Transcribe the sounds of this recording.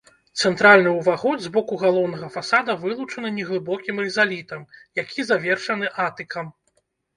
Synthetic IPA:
t̪sɛnt̪ɾalʲnɨuvaɣɔd̪zbɔkuɣalˠɔwnɐɣɐfasad̪ɐvɨlˠut͡ʂɐnɨnʲiɣlˠɨbɔkʲimrɨzalʲit̪ɐmjakʲizavʲɛrʂɐnɨʔat̪ɨkɐm

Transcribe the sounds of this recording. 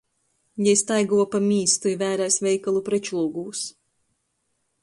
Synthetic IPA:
jaist̪ajɡuɔpamʲiːst̪uivæːɾɛjsʲvɛjkalˠupɾɛt͡ʃlˠuːɡuːs

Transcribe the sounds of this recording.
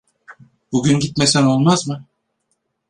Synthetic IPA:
buɟʲynɟit̪me̞sæno̞lˠmazmɯ

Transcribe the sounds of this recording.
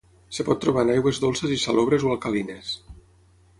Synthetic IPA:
sepɔt̪ːɾoβanajɣwezðolˠsezisaloβɾezoalˠkalines

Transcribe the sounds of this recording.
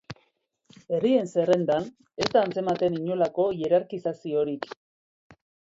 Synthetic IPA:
e̞rie̞nse̞re̞nd̪an | e̞sd̪aːnt͡se̞mat̪e̞niɲo̞lako̞je̞ɾaɾkisasio̞ɾik

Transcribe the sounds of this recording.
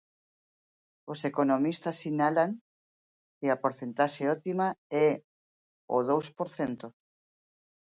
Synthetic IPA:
osekonomist̪asːiɲalaŋ | keɐpoɾθent̪aʃeɔt̪imaɛ | o̰ð̞owspoɾθɛnt̪o

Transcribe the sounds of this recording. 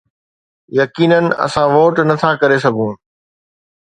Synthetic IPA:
jɐkiːnənɪ̆ɐ̰sãʋoːʈnɐt̪ʰakɐɾesɐɡʱũː

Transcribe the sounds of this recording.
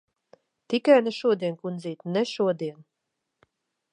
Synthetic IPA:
t̪ikajnɛʃuɔd̪iɛnkund̪ziːt̪nɛʃuɔd̪iɛn

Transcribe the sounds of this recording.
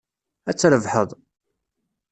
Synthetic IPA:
æt͡sːɾəvħəðˤ

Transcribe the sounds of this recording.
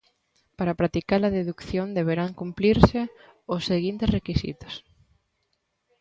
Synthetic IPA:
paɾapɾat̪ikaɾɐðeðukθjond̪eβ̞eɾaŋkumpliɾsɪ | ʊsːeɣint̪esrekisḭt̪ʊ̥s

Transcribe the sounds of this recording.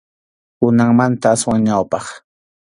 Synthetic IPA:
kʊnaŋmant̪aaswaŋɲawpɑχ

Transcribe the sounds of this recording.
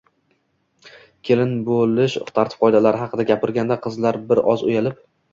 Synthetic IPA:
kʲʰe̞lɪnbolɪʃt̪ʰaɾt̪ɪ̥p̚qʰɒjd̪alaɾɪhɑqʰɨd̪aɡʲapɪɾɡʲand̪aqʰɨzlaɾbɪɾʔɒ̰zʊ̰jalɪp

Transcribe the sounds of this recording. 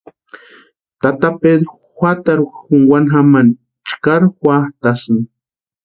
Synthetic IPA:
t̪at̪aped̪ɾ | xʷat̪aɾxuŋwanɦaman | t͡ʃkaɾxwat̪asn

